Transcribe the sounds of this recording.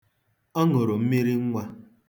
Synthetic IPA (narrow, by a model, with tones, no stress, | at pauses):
ɔ˦ŋo˨ɾo˨m̩˦mi˦ɾi˦ŋ̩˦ŋʷa˦